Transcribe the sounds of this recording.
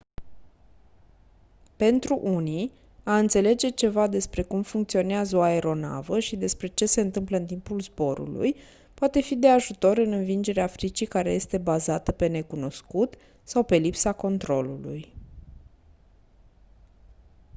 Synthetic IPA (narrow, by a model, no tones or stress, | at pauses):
pe̞nt̪ɾuʔuni | aɨnt̪se̞le̞d͡ʒe̞t͡ʃe̞vad̪e̞spɾe̞kumfuŋk̚t̪sio̞neazəoae̞ɾo̞na̰vəʃid̪e̞spɾe̞t͡ʃe̞se̞ɨnt̪ɨmpləɨnt̪impulzbo̞ɾṵlṵj | poat̪e̞fid̪e̞aʒut̪o̞ɾɨnɨnvind͡ʒe̞ɾeafɾit͡ʃijkaɾe̞je̞st̪e̞bazat̪əpe̞ne̞kuno̞skut̪ | sawpe̞lipsako̞nt̪ɾo̞lulṵj